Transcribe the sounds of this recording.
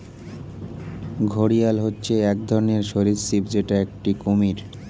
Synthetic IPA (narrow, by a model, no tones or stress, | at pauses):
ɡʱoɽijalɦotːɕʰeɛk̚d̪ʱɔɾoneɾʃoɾiɾsibd͡ʑeʈaek̚ʈikomiɾ